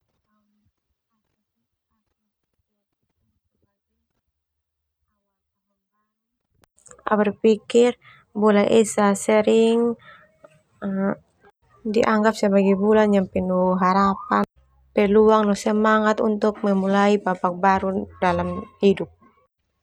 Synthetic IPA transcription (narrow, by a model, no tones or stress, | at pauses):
a̰wɛrpikir | bɔlɛʔɛsasɛɾiŋ | diʔaŋɡap̚sɛbaɡibuland͡ʒampɛnuɦaɾapan | pɛluaŋnɔsɛmaŋat̪ṵnt̪uk̚mɛmulaibabak̚baɾudalamhidup̚